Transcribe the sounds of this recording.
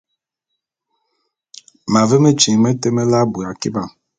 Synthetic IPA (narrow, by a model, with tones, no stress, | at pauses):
ma˨ve˦me˦t͡ʃi˨ŋ˨me˦te˦me˦la˦bu˨a˨ki˦ba˨